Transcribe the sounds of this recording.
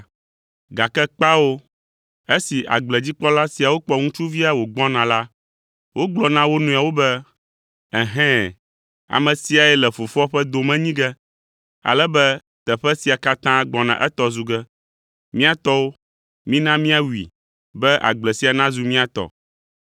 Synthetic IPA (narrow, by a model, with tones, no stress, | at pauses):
ɡa˨kɛ˦k͡pa˦wo˦ | e˦si˨ʔa̰˨ɡ͡blɛ˨d͡ʑi˦k͡pɔ˦la˦si˨a˨wo˦k͡pɔ˦ŋũ˦t͡ʃu˦vi˦a˨wo˨ɡ͡bɔ˦nã˨la˦ | wʔo˦ɡ͡blɔ˨nã˦wo˦nũ˨a˨wo˦bɛ˦ | ɛ˨ɦɛ̃˦ | a̰˨mɛ̃˨si˦a˨ɛ˨lɛ˨fo˨fɔ˦ɸɛ˦d̪o˨mɛ̃˦ɲĩ˦ɡɛ˦ | a̰˨lɛ˦bɛ˦ | t̪ɛ˨ɸɛ˦si˨a˨ka˦t̪ã˦ɡ͡bɔ˨nã̰˨ʔɛ˦t̪ɔ˦zu˨ɡɛ˦ | mĩ˦a˦t̪ɔ˦wo˦ | mĩ˦nã˦mĩ˦a˦wḭ˨ | bɛ˦ʔa̰˨ɡ͡blɛ˨si˨a˨nã˦zu˨mĩ˦a˨t̪ɔ̰˨